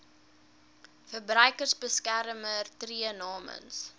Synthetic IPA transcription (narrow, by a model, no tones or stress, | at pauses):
fərbrœjkərsbəskæɾəmərtriənɑːmə̰ns